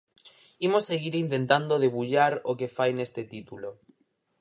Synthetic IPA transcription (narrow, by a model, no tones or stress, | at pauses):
imosːeɣ̞iɾint̪ent̪and̪oðeβuʎaɾokefajnest̪et̪it̪ulo